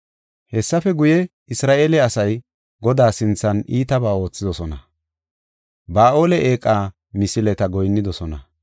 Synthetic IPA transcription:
hɛsːɐfɛɡʊjɛ | ɪsɾaːʔeːlɛɐsɐj | ɡɔd̪aːsɪnt͡sːɐniːt̪ɐbaːo̞ːt͡sːɪd̪ɔsɔnɐ | baːʔo̞ːlɛʔeːkʼːaː | mɪsɪlɛt̪ɐɡɔjnːɪd̪ɔsɔnɐ̰

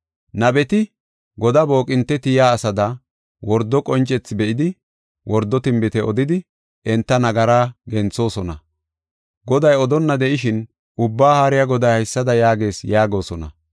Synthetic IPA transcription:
nɐbɛt̪ɪ | ɡɔd̪ɐbo̞ːkʼɪnt̪ːɛt̪ɪjaːsɐd̪ɐ | wɔɾd̪ːɔkʼɔnt͡ʃʼːɛt͡sːɪbɛʔɪd̪ɪ | wɔɾd̪ːɔt̪ɪmbɪt̪ɛʔɔd̪ɪd̪ɪ | ɛnt̪ːɐnɐɡɐɾaːɡɛnt͡sːo̞ːsɔnɐ̰ | ɡɔd̪ɐjɔd̪ɔnːɐd̪ɛʔɪʃɪn | ʊbːaːhaɾɪjaɡɔd̪ɐjhɐjsːɐd̪ɐjaːɡe̞ːsjaːɡo̞ːsɔnɐ̰

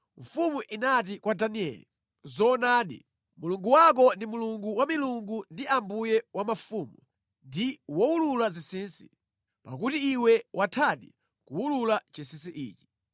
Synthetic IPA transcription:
ɱfumuʔinat̬ikwadaniɛ̰lḭ | zɔnaːɗḭ | muluŋɡuwak̬ɔndimuluŋɡuwamiluŋɡundiambujɛwamafuːmu | ndiwɔululazisinsi | pa̰kutiːwɛwʔatʰaɗḭ | kuululat͡ʃisinsiʔḭːt͡ʃi̥

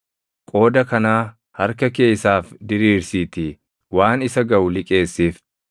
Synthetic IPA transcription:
kʼo̞ːd̪ɐkɐnaː | hɐɾkɐke̞ːsaːfd̪ɪɾiːɾsiːt̪ɪ | waːnɪsɐɡɐwʊlɪkʼe̞ːsːiːf

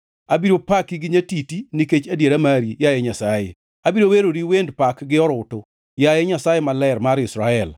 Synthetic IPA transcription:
abiɾopakiɡɪɲatitiniket͡ʃadjeɾamaɾijajɛɲasajḛ | abiɾoweɾoɾiwendpakɡɪɔɾʊto | jajɛɲasajemalɛrmaɾɪsɾaɛl

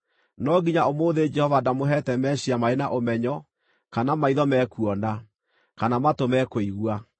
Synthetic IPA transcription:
nɔɡiɲaomoːðed͡ʒɛhɔvadamoɦɛtɛmɛɕiamaenaʔomɛɲɔ | kanamaiðɔmɛkuɔnda | kanamatomɛkoiɣwa

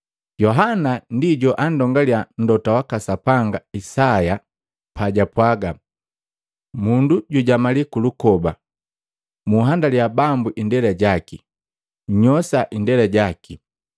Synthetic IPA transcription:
ɟɔɦanandiɟɔʔandɔŋɡaljan̩dɔtawakasapaŋɡaisaja | paɟapwaɡa | munduɟuɟamalikulukɔba | muɦandaliabambuʔindɛlɛɟaki | ɲɔsaʔindɛlɛɟaki

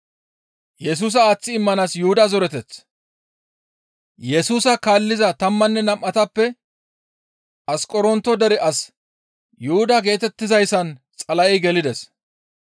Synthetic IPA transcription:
jɛs̬uːs̬ɐaːt͡sːɪɪmːɐnasjʊhʊd̪azɔɾɛt̪ɛt͡sː | jɛsuːsɐkaːlːɪzɐt̪ɐmːɐnːɛnɐmʔːɐt̪ɐpːɛ | ɐskʼɔɾɔnt̪ːɔd̪ɛɾɛʔɐs | jʊhʊd̪aɡe̞ːt̪ɛt̪ːɪzɐjsɐn | t͡sʼɐlɐʔɛjɡɛlɪd̪ɛs

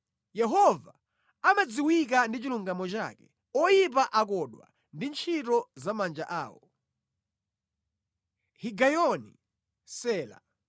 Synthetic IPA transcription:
jɛɦɔva | amad͡ziwik̬andit͡ʃiluŋɡamɔt͡ʃa̰kɛ̥ | ɔjip̬aʔak̬ɔɗwa̰ | ndint͡ʃʰitɔzamand͡ʒa̰ʔa̰ːwɔ | hiɡajɔnḭ | sɛːla̰

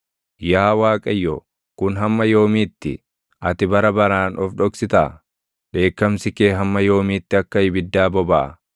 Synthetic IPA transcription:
jaːwaːkʼɐjːɔ | kʊnɦɐmːɐjo̞ːmiːt̪ːɪ̰ | ʔɐt̪ɪbɐɾɐbɐɾaːnʔɔfᶑɔksɪt̪ɐ | ᶑe̞ːkːɐmsɪkeːɦɐmːɐjo̞ːmiːt̪ːɪɐkːɐhɪbɪd̪ːaːbɔba̰ː

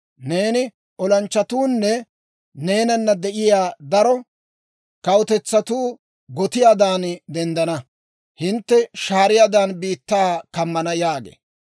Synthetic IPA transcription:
ne̞ːnɪ | ʔɔlɐnt͡ʃːɐt̪uːnːɛ | ne̞ːnɐnːɐd̪ɛʔɪjaːd̪ɐɾɔ | kɐwʊt̪ɛt͡sːɐt̪uː | ɡɔt̪ɪjaːd̪aːnd̪ɛnd̪ɐnɐ | hɪnt̪ːɛʃaːɾɪjaːd̪aːnbiːt̪ːaːkɐmːɐnɐjaːɡḛː

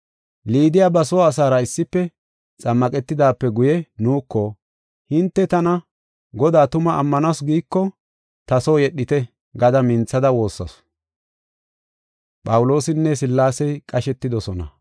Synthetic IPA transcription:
liːd̪ɪjabɐsoːɐs̬aːɾɐɪsːɪpːɛ | t͡sʼɐmːɐkʼɛt̪ːɪd̪aːpːɛɡʊjɛnuːkːɔ | hɪnt̪ːɛt̪ɐnɐ | ɡɔd̪aːt̪ʊmɐʔːmːɐnɐsɡiːkːɔ | t̪ɐsoːjɛɗːɪt̪ɛ | ɡɐd̪ɐmɪnt͡sːɐd̪ɐwo̞ːsːɐ̰s | pʼɐwʊlo̞ːsɪnːɛs̬ɪlːaːsɛjkʼɐʃɛt̪ːɪd̪ɔsɔnɐ̰

